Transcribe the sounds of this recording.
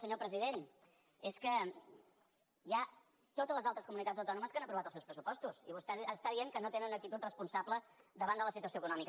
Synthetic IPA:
səɲopɾəziðen | eskə | ja | t̪ot̪əzləzalˠt̪ɾəskumunit̪add͡zəwt̪ɔnuməskanəpɾuβat̪əlˠsewspɾəsupɔst̪usiβust̪ɛst̪aðieŋkənot̪enənuək̚t̪it̪ut̪rəspunsabləd̪əβand̪ələsit̪uəsioəkunɔmik

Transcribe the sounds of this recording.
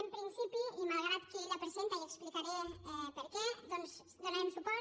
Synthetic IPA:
əmpɾinsipiunaɣɾat̪̚keləpəɾsunt̪ələksplikaɾiəmɛpəɾkɛd̪ɔns | d̪ənɛmsupa

